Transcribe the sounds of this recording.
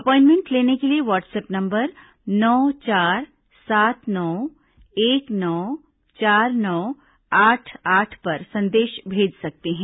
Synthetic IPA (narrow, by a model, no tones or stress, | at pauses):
ɐpɔːɪ̃nmẽɳʈleːnekelieʋɔːʈseːpnɐ̃mbəɾ | nɔːt͡ʃaːɾ | saːt̪ʰnɔː | eːknɔː | t͡ʃaːɾnɔː | aːʈʰaːʈʰpɐɾsɐ̃nd̪eːʃbʱeːd͡ʒsɐk̚t̪eɦɛ̃ː